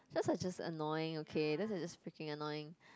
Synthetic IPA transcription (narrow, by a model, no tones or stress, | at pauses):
dɛsad͡ʒasə̰nɔɪɪ̃ŋokʰedɛsad͡ʒasfɹikɪ̃ŋənɔjɪ̃ŋ